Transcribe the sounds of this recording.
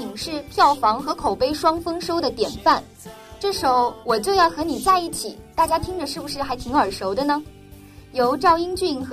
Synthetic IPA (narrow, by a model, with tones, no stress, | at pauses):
i˨˩ŋʂɻ̩˥˧pʰjɑ˥˩ʊfɑ˧˥ŋxɤ˧˥kʰo˨˩ʊpe˥ɪʂwɑ˥ŋfɤ˥ŋʂo˥ʊd̪ə˨t̪jɛ˨˩nfa˥˩n | ʈ͡ʂɤ˥˩ʂo˧˥ʊwɔ˨˩t͡ɕjo˥˧ʊjɑ˥˩ʊxɤ˧˥ni˨˩t͡sa˥˧ɪi˥˩t͡ɕʰi˨˩˦t̪a˥˩t͡ɕja˥t̪ʰi˥ŋd͡ʒə˨ʂɻ̩˥˩bu˩ʂɻ̩˥˩xa˧˥ɪt̪ʰi˧˥ŋə˞˨˩ʂo˧˥ʊd̪ə˧nə˧ | jo˧˥ʊʈ͡ʂɑ˥˧ʊi˥ŋt͡ɕy˥˩nx